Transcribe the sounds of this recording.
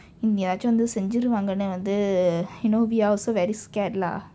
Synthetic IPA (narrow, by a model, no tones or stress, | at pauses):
ɪnɛdaːt͡ʃːɐ̃ʋɐnd̪ɯsɛɲd͡ʒɪɾɯʋaːŋɡɐnːɯʋɐnd̪ɯjɪnoːʋiaːlsoːʋɛɾiskɛːʈla̰ː